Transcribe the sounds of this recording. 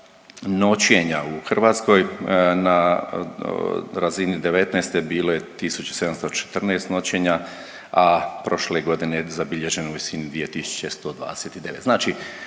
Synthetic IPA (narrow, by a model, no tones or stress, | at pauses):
no̞t͡ɕje̞ɲauxr̩ʋaːt̪sko̞jna | ɾazinid̪e̞ʋe̞t̪nɛjst̪e̞biːlo̞je̞t̪isut͡ɕu̥se̞d̪amst̪ot͡ʃe̥t̪r̩nɛːst̪no̞t͡ɕe̞ɲa | apɾo̞ʃleɡo̞d̪inezabiʎe̞ʒe̞nouʋisinid̪ʋiːe̞t̪isu̥t͡ɕest̪o̞d̪ʋa̰ːd̪eset̪id̪e̞ʋe̞t̪znaːt͡ʃi